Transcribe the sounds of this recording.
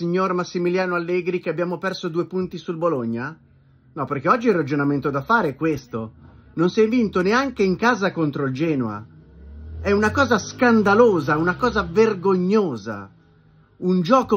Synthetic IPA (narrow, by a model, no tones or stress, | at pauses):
iɲːormasːimiljaːnoalːɛːɡɾik̟eabːjaːmopɛrsod̪uːepunt̪isulboloɲːa | nɔpːerkeɔd͡ʒːiɛrːad͡ʒonament̪od̪afaːɾekwest̪ononsiɛjvint̪oneaŋkeiŋkaːzakont̪ɾoild͡ʒɛːnoa̰ | ɛunakɔːzaskand̪aloːzaɛunakɔːzaverɡoɲːoːza̰ | und͡ʒɔːko